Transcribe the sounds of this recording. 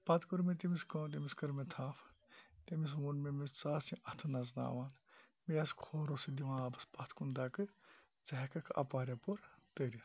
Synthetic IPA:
pɐt̪ʰkuɾmet̪imiskõːt̪̬imiskɐɾmet̪ʰaːf | t̪emis̬ʋunmemist͡saːsĩʔɐt̪ʰɨnɐzna̰ːʋaːn | mejɐskʰoːɾosid̪iʋãːɐbɨspɐt̪ʰkund̪aːkɨ | t͡sɐɦkɐkʰɐ̰paːɾjapoɾt̪əɾi

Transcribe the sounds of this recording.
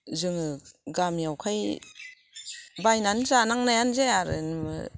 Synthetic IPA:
zɯŋɯɡamiawkʰaj | bajnanzanaŋnajanzajaɾɯ̰nmɯ̰

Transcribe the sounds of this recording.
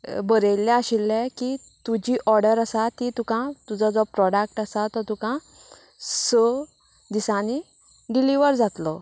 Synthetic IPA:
bəɾejlːjãaɕilːɛ̃ki | t̪ud͡ʑiːʔɔɾɖəɾasat̪ːit̪ukãt̪ud͡zad͡zɔpɾɔɖak̚ʈasat̪ɔt̪ukã | sə | d̪isãni | ɖiliʋəɾd͡zat̪lɔ

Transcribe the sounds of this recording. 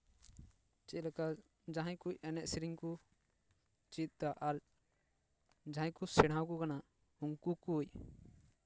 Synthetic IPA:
t͡ʃɛlɛka | d͡ʒãɦãjkuc̚ɛnɛʔsiɾiŋku | t͡ʃit̪̚t̪aʔaɾ | d͡ʒãɦãkusɛɽãwkukana | uŋkukuc

